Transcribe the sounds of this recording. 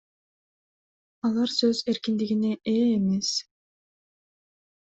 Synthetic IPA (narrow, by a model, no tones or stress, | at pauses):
ɑlˠɑɾsøzeɾkind̪iɡineʔeːme̞s